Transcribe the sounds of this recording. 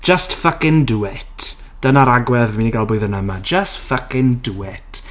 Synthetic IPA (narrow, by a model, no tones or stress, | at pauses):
d̥d͡ʒ̥əstfəkɪ̃nduɪt | d̥ənaɾaɡwɛðmiːniɡalˠbʊːɨðənamad͡ʒəstfəkɪnduɪt